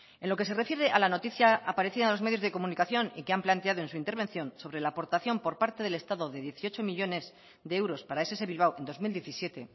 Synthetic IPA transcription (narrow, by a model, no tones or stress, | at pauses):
enlo̞ke̞s̬e̞re̞fjeɾe̞ʔalano̞t̪iθjaːpaɾe̞θiðaðelo̞zme̞ðjo̞zðe̞ko̞mũnikaθjo̞nikeamplant̪e̞að̞o̞e̞nsuint̪eɾβe̞nθjo̞nso̞βɾe̞laːpo̞ɾt̪aθjo̞mpo̞ɾpaɾt̪e̞ðe̞le̞st̪aðo̞ðe̞ðje̞θio̞t͡ʃo̞miʎo̞ne̞z | ðe̞ewɾo̞spaɾae̞ses̬e̞βilβ̞awe̞nd̪o̞zmild̪je̞θisje̞t̪e̞